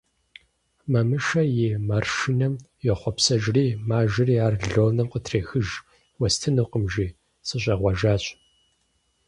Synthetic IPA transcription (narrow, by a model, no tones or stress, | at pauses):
mɐmɨʃɐjemarʃinɐmjɛχʷɔpsɐʒriːmaːʒɪriːaːrɮoːnɨmqʼətʰreːxɨʒ | wɐstʰɨnɨqəmʒiː | sɨɕʼɐʁʷɔʒaːɕʼ